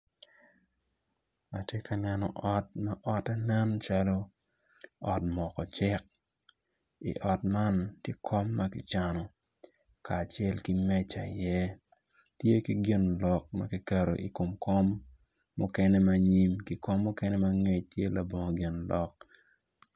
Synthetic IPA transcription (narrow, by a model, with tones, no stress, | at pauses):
a˨tje˦ka˨nɛ˦nɔ̰˨ʔɔ˦t̚ma˦ʔɔ˦tɛ˦nɛ˦nt͡ʃalo˦ | ɔ˨tmɔ˨kɔ˨t͡ʃɪ˦k̚ | ḭ˨ʔɔ˨tma˦ntje˦kʰɔ˦mːa˦kɪ˨t͡ʃa˨nɔ˨ | kaː˨t͡ʃɛ˦lki˦mɛ˦t͡ʃa̰˨jɛ˦ | tje˦ki˦ɡɪ˦nlɔ˨k̚mɐ̰˦ki˦ka˨ɾo˨ʔi˨ko˨mkɔ˦mː | ʊ˦kɛ˦nɛ˦mɐ˦ɲi˦mki˨ko˦mːʊ˦kɛ˦nɛ˦mɐ˦ŋe˦tje˦la˨bo˨ŋo˨ɡɪ˨nlɔ˨k̚